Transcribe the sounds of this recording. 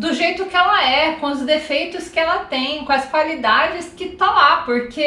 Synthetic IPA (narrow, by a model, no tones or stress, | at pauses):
d̪ʊʒejt̪ʊkɪɛlɐɛkõʊzd̪efejt̪ʊskɪɛlɐt̪ẽj̃kõɐskwalid̪ad͡ʒɪskɪt̪ɐ̃w̃lapoɾkʰe